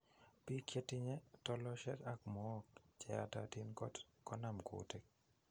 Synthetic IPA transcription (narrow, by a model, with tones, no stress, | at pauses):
pi˦kje˦tɪ˦ɲɛ˦tɔ˦lɔ˦ʃɛ˦ka˦kmɔ˨ɔ˦k̚t͡ʃɛ˨a̰˨ta˨ti˦nkɔ˦t | kɔ˦na˦mko̰˨te˦k̚